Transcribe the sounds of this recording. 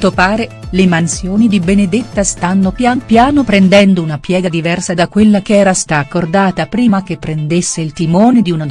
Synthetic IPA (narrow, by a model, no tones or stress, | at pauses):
t̪ːopaːɾelemansjoːnid̪ibened̪et̪ːast̪anːopjanpjaːnopɾend̪ɛnd̪ounapjɛːɡad̪ivɛrsad̪akːwelːakeɛːɾast̪akːord̪aːt̪apɾiːmakepːɾend̪esːeilt̪imoːned̪iuna